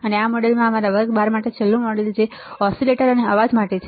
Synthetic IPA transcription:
əneamɔɽelmãəmaɾaʋəɡbaɾmaʈet͡ʃʰelːũmɔɽeld͡ʒeɔsileʈəɾəneəʋad͡ʒmaʈet͡ʃʰe

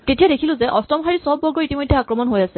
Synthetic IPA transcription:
tetijaɾekʰilʊ̃zɛʔɔstɔmxaɹisɔbːɔɹɡɔɹitimojdʱːɛakɹɔmɔnɦojasɛ

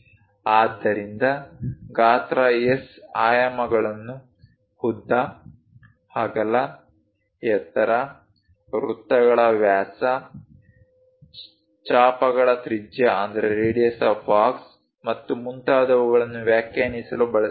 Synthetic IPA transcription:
aːd̪ːɐɾind̪ɐɡaːt̪ɾɐesaːjɐmɐɡɐɭɐnːu | hud̪ːɐ | haːɡɐlːɐ | jɛt̪ːɐɾɐ | ɾut̪ːɐɡɐɭɐʋjaːsɐ | t͡ʃaːpɐɡɐɭɐt̪ɾid͡ʒjɐɐnd̪ɐɾeɾeːɽijɐsɐːpaːks | mɐt̪ːumunt̪aːd̪ɐʋɐɡɐɭɐnːuʋjaːkjaːnisɐlubɐɭɐ

